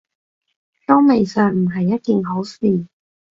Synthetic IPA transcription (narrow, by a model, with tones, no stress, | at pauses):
jɔ˥ŋme˨˩jsœː˨ŋm̩˨˩ɦɐ˨jːɐ˥t̚kiː˨nɦo˨˥wsiː˨